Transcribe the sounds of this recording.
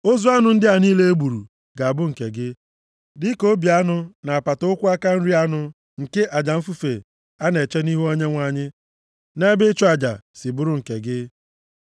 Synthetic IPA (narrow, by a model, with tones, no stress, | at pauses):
o˦zu˦a˦nʊ˨˦n̩˦dɪ˦a˨niː˦le˦e˦ɡ͡bu˨ɾṵ˨ | ɡa˨a˨bʊ˦ŋ̩˨ke˨ɡɪ˦ | dɪ˦ko˦bi˨a˦nʊ˦na˨a˨pa˨tʊ˦ʊ˦kʷʊ˦a˦ka˦n̩˦ɾi˦a˦nʊ˦ | ŋ̩˨ke˦ʔa˨d͡ʒa˨m̩˦fu˦fe˨ | a˦ne˨t͡ʃe˦ni˦ɦu˦o˦ɲe˦ŋʷa˨ɲɪ˦ | ne˦be˦t͡ʃo˦a˨d͡ʒa̰˨sɪ˨bʊ˦ɾʊ˦ŋ̩˨ke˨ɡɪ˦